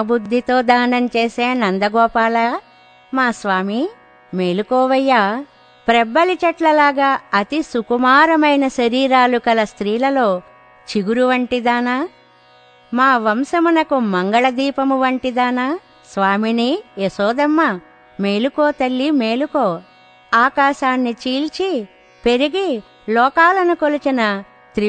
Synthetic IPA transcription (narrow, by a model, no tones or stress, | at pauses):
bud̪ʱːit̪o̞ːd̪aːnɐnt͡ʃeːseːnɐnd̪ɐɡɔːpaːlɐ | maːsʋaːmi | me̞ːlukɔːʋɐjːaː | pɾɛbːɐlit͡ʃɐʈlɐlaːɡaːɐt̪isukumaːɾɐmɐjnɐʃɐɾiːɾaːlukɐlɐst̪ɾiːlɐlo̞ː | t͡ʃiɡuɾuʋɐɳʈid̪aːna | maːʋɐmsɐmunɐkumɐŋɡɐɭɐd̪iːpɐmuʋɐɳʈid̪aːnaː | sʋaːminiesɔːd̪ɐmːɐ | me̞ːlukoːt̪ɐlːime̞ːlukoː | aːkaːʃaːnːit͡ʃiːlt͡ʃi | pe̞ɾiɡi | lɔːkaːlɐnukolut͡ʃinɐ | t̪ɾi